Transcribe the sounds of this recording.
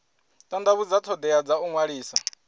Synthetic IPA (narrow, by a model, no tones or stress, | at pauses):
tʼand̪aβud͡zatʰɔd̪ɛad͡zauŋwaɺiːsa